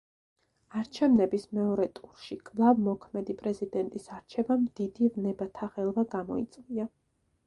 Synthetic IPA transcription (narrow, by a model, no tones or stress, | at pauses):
aɾt͡ʃʰɛvnɛbismɛɔɾɛt̪ʼuɾʃikʼlˠavmɔkʰmɛd̪ipʼɾɛzid̪ɛnt̪ʼisaɾt͡ʃʰɛvamd̪̥id̪ivnɛbat̪ʰaʁɛlˠvaɡamɔ̰it̪sʼvia